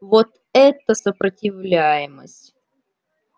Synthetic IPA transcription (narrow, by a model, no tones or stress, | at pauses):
vot̪ | ɛt̪əsəpɾətʲɪvlʲæjɪmə̰sʲtʲ